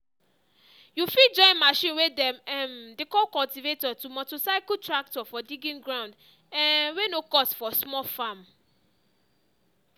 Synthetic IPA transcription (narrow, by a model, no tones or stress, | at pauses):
jufid͡ʒɔ̃ɪ̃nmaʃĩnwedɛmɛmdekɔlkɔltivetɔtumɔtosaɪkutɹak̚tɔfɔdiɡĩnɡɹãʊ̃nd | ɛ̃wenokɔsfɔsmɔfãm